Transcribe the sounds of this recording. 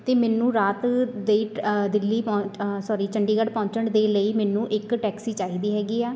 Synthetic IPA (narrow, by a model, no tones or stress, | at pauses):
t̪eːmɛːnũːɾaːt̪d̪eiːd̪ɪlːiːpːsɔːɾiːt͡ʃʰəɳɖiːɡəɖpɔ̃ːɲt͡ʃəɳd̪eːləiːmɛːnũːʔɪkʈɛːksiːt͡ʃaːiːd̪iːɦɛːɡiːɛː